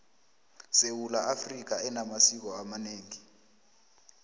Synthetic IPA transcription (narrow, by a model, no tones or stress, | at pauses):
sewulaʔafrik̬aɛnamasik̬ɔamaneːŋi